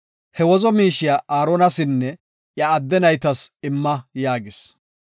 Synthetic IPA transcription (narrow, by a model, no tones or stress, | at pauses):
hɛwɔzɔmiːʃɪjaʔaːɾonɐsɪnːɛ | ʔjɐːd̪ːɛnɐjt̪ɐsɪmːɐjaːɡɪs